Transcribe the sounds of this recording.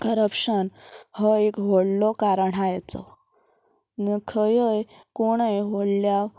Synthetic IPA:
kəɾəpɕənhəekʋəɽlɔkaɾəɳajt͡sɔ̰ | nəkʰəjəj | koɽ̃əjʋəɽlja

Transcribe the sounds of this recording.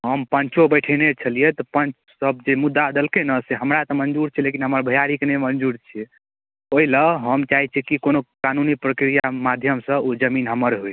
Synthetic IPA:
ɦəmpənt͡ʃobəɪʈʰɛnet͡ʃʰəlijet̪ɔpənt͡ʃʰ | səb̚d͡ʒemud̪ːad̪əlkenəseɦəmɾat̪ɔmənd͡ʒuɾt͡ʃʰɛlekinɦəməɾbʱəjaɾikenemənd͡ʒuɾt͡ʃʰɛ | oiləɦəmt͡ʃaɦit͡ʃʰikikonokanunipɾəkɾijamad̪ʱjəmsə̃od͡ʒəminɦəməɾɦue

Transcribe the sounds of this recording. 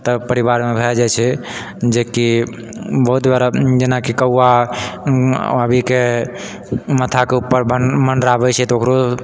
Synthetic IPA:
t̪əpəɾiβaɾmebʱed͡ʒat͡ʃʰɛ | d͡ʒeki | bəɦut̪baɾd͡ʒenakikəwa | əbʱike | mət̪ʰakeupːəɾbəmənɾabɛt͡ʃʰɛt̪okɾo

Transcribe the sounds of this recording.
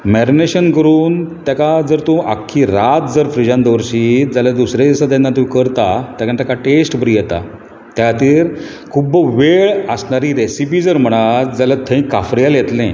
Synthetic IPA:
mɛɾineɕənkəɾuːnt̪jakad͡zəɾt̪õʔa̰kʰːiɾat̪̚d͡zəɾfɾid͡ʑãnd̪əʋɾɕiːd͡zalad̪usɾed͡zasad̪ãnːat̪ikəɾt̪at̪jakaɳt̪akaʈesʈbəɾijɛt̪a̰ | t̪jat̪iːɾ | kʰubʋeɭəsɳaɾiɾesip̬iːd͡zəɾm̤əɽ̃at̪d͡zalat̪ʰːə̃ĩkafɾjaljet̪lẽ

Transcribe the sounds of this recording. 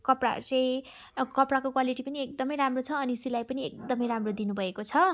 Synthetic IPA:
kʌpra̰rt͡sʌj | kʌprakokwaliʈipʌniek̚d̪ʌmʌjɾamrot͡sʰʌːnisilajpʌniek̚d̪ʌmʌjɾamrod̪inubʱʌekot͡sʰʌ

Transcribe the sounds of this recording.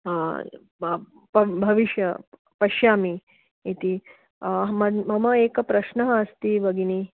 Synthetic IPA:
pɐbʱɐʋiʃjɐ | pɐʃjaːmiː | t̪i | ɦmɐmɐmɐeːkɐpɾɐʃnɐɦɐɐst̪iʋɐɡini

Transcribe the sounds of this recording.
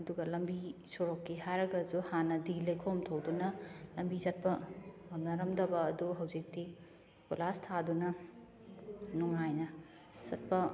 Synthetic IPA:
ɐduɡɐlɐmbisuɾokːiɦajɾɐɡɐd͡ʒuhanɐdilɐjkʰomtʰowdunɐlɐmbizɐt̚pɐɐmnɐɾɐmdɐbɐːduɦɐwzik̚ti | kolastʰadunɐ | nuŋajnɐ | zɐt̚pɐ

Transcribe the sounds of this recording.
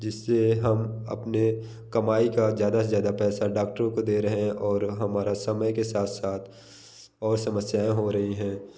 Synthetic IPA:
d͡ʒɪsːeɦɐmɐ̰pne | kɐmaːikazjaːd̪azjaːd̪apɛːsaɖaːkʈəɾõkod̪eːɾɐɦẽʔɔːɾɦɐmaːɾasɐməjkesaːt̪ʰsaːt̪ʰ | ɔːɾsɐməsjaːẽɦoɾɐɦiɦɛ̃ː

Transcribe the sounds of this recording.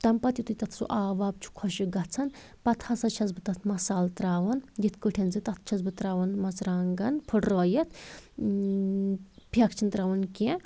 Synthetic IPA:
t̪ɐmpɐt̪ʲit̪ut̪ɐt̪ʰɾṵʔaːʋaːb̚t͡ʃʰu̥kʰɔʃiɡɐt͡sʰɐn | pɐt̪ʰasɐt͡ʃʰɐzbɨt̪ɐt̪ʰmɐsaːlt̪ɾaːʋɐnjit̪ʰkɨʈʰʲɐnzɨt̪ɐt̪ʰt͡ʃʰɐzbɨt̪ɾaːʋɐnmɐt͡sɾaːŋɡɐnpʰɨʈrɔːjɐt̪ʰ | pʰjɐkt͡ʃʰint̪ɾaːʋɐnke

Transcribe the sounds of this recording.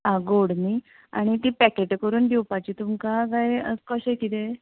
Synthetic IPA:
ɦãɡoɽni | a̰ɽ̃it̪iːpɛkeʈkəɾuːnɖiwpat͡ɕiːt̪umkakaɦjə̰skɔɕekit̪e

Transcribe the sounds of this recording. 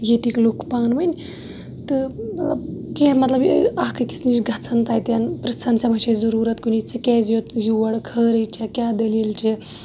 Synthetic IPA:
jet̪iklukʰpaːnʋɐnʲ | t̪ɨmɐt̪lɐbkemɐt̪lɐbakɨki̥t͡sʰnit͡ʃɡʱɐt͡sʰɐnt̪aːjt̪ʲjanpɾɐt͡sʰɐnt͡sʰɐmɐt͡ʃʰezɐɾuːɾɐt̪kunit͡sʰikeːzjot̪juʋɐɽkʰəːɾɨjt͡ʃʰekʲaːd̪eljilt͡ʃʰi

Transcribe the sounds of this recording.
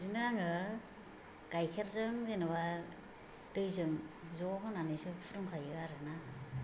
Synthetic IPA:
zinaŋɯ | ɡajkʰeɾzɯŋzenawa | tɯjzɯŋzɔkɯnanɯjsɯpʰuɾɔŋkʰajɯɡaɾɯna

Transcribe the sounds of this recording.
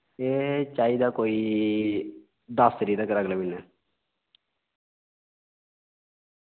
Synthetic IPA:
eːt͡ʃaːiːd̪aːkoːiː | d̪aːst̪əɾiːd̪əkɾəɡleminɛː

